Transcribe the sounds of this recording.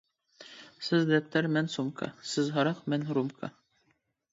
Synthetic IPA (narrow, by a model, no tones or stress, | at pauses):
sɘzd̪æp̚t̪æɾmænsumkɑ̰sɘzɦɑɾɑqmænɾumkʰɑ̰